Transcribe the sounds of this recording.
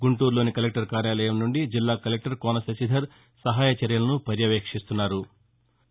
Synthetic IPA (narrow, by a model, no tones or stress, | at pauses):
ɡuɳʈuːɾlo̞ːnikɐlek̚ʈɐɾkaːɾjaːlɐjɐmnuɳɖid͡ʒilːaːkɐlek̚ʈɐɾkoːnɐsɐsid̪ʱɐɾ | sɐɦaːjɐt͡ʃɐɾjɐlɐnupɐɾjɐʋeːkʂist̪unːaːɾu